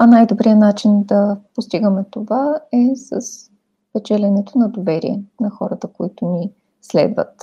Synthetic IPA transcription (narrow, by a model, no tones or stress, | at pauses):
ɐnajd̪obɾijənat͡ʃind̪ɐpost̪iɡəmɛt̪ovaɛsə̰s | pɛt͡ʃɛlʲɛnɛt̪ʊnɐd̪ovɛɾḭɛ̰nɐxɔɾət̪əkoit̪ʊni | slɛ̰d̪və̰t̪